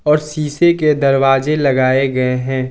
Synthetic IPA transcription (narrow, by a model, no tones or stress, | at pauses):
ɔːɾsiːseked̪ɐɾwaːzelɐɡaːeɡɐeɦɛ̃ː